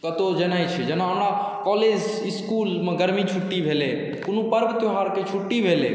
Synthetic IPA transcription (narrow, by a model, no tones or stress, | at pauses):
kət̪od͡ʒənait͡ʃʰɛd͡ʒɛnãɦəmɽa | kɔːleːd͡ʒ | ɪskuːlmẽɡəɾmit͡ʃʰuʈːibʱeːle | kʊnũpəɾbət̪oɦaɾket͡ʃʰuʈːibʱelḛ